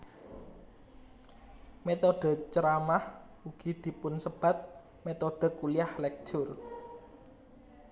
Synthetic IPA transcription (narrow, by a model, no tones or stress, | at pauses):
met̪oɖ̥ə̤t͡ʃəɾamah | uɡ̥id̪̥i̤pʊnsəb̥a̤t̪̚ | met̪od̪̥ə̤kuliahlɛk̚ʒ̥ʊr